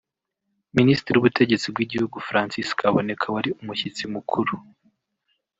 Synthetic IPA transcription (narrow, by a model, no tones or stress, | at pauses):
ministɾiɾiuβutʰe̞ɟe̞t͡sibɡiɟihuɡufɾaːnsiskʰaβone̞kʰawaɾiumuçit͡simukʰuɾu